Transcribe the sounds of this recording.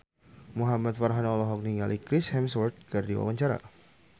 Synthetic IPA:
muɦamat̪̚farɦanɔlɔɦɔk̚niŋalʔikɾɪshɛmswɔrt̪̚kardiwa̰waɲt͡ʃaɾa̰

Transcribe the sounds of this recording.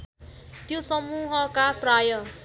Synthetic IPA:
t̪josʌmuɦʌkaprajʌ

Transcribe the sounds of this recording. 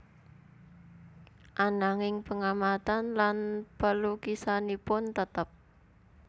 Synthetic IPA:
ʔanaŋɪŋpəŋamat̪anlanpəlukisanipʊnt̪ət̪əp̚

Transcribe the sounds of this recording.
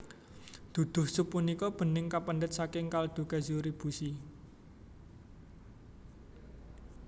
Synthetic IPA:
d̪̥ud̪̥ʊ̤hsupːunikɔb̥ə̤nɪŋkapənɖət̪̚sakɪŋkald̪̥ṳkazuɾib̥usi

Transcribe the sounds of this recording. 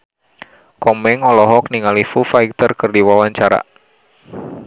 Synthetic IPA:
kɔmɛŋɔlɔɦɔk̚niŋalifufajk̚t̪ərkɨrdiwawaɲt͡ʃaɾa̰

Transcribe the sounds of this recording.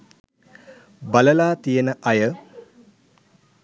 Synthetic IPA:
baləlaːt̪ijənəʔɐjə

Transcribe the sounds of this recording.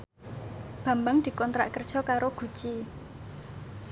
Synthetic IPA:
b̥a̤mbaŋd̪̥i̤kɔnt̪ɾa̰ʔkərd̥ʒ̥ɔ̤kaɾoɡ̥ṳt͡ʃi

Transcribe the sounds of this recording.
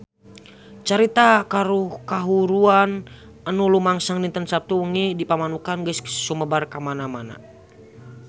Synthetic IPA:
t͡ʃaɾit̪akaɾuhkaɦuɾuan | ənulumaŋsaŋnint̪ənsap̚t̪uuŋidipamanukanɡəssuməbarkamanamana̰

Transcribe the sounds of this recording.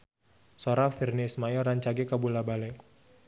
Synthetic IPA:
soɾafirnɪsmajɔɾaɲt͡ʃaɡikabulabalɛ

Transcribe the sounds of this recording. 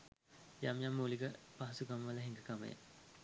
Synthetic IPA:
jamjamːuliɡəpaɦɐsukaməʋələɦiŋɡəkamə̰jə̰

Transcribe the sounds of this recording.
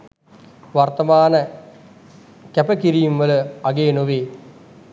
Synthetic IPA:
ʋart̪ɐmaːnə | kæpəkiɾijumʋələaɡeːnoʋeː

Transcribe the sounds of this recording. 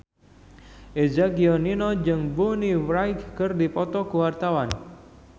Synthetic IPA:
ʔed͡ʒaɡiɔninɔd͡ʒɨŋbuniwɾaɪkkərdipɔt̪ɔkuwart̪awan

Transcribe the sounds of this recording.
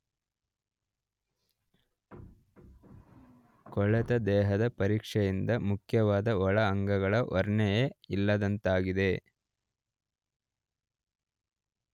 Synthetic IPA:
kɔɭɛt̪ɐd̪ɛːɦɐd̪ɐpɐɾiːkʂɛjind̪ɐmukʰjɐʋaːd̪ɐɔɭɐːŋɡɐɡɐɭɐʔɔɾɳɛjeilːɐd̪ɐnt̪aːɡid̪e̞

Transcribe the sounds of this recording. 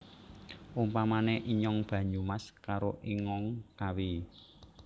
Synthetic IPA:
ʔumpamaneʔiɲɔŋb̥ä̤ɲumaskaɾoʔiŋɔŋkawi

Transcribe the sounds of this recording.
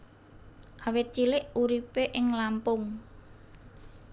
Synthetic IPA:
ʔawɪt̪̚t͡ʃilɪʔuɾipeʔɪŋlampʊŋ

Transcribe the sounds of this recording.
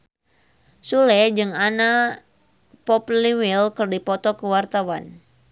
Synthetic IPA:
sulɛd͡ʒɨŋana | pɔpliwilkɨrdipɔt̪ɔkəwart̪awan

